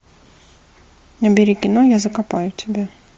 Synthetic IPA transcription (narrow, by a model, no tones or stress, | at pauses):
nɐbʲɪɾʲikʲɪnojazəkapajʊtʲɪbʲa